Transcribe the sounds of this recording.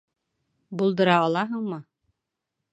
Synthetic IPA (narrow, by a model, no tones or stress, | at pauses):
bulˠd̪ɤ̆ɾɑɒlˠɑɦɤɴmɤ